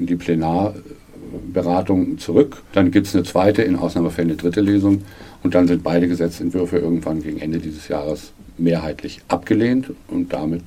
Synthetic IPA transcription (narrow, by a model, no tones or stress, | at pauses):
diːpʰl̥enaːɐ | bəʁaːtʊŋt͡suʁ̞ʏkd̥anɡiːp̚tsnət͡sv̥aɪtəɪnʔa̰ʊsnaːməfɛlənədʁɪtəleːzʊŋʔʊnt̚d̥anzɪnt̚b̥aɪɾəɡəzɛt͡sɛntv̥ʏɐfəʔɪɐɡŋ̩tv̥anɡeːɡŋ̩ʔɛndədiːzəsja̰ːʁ̞əs | meːɐɦaɪtʰlɪçʔapɡ̥əleːntʔʊ̰nt̚d̥a̰mɪt